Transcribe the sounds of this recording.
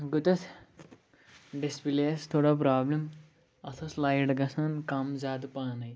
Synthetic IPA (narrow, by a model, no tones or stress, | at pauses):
ɡut̪ɐs | ɖispileːst̪ʰoːɽapɾaːblim | ɐt̪ʰɐslɐjʈɡɐsankɐmzaːt̪̬upaːnɐj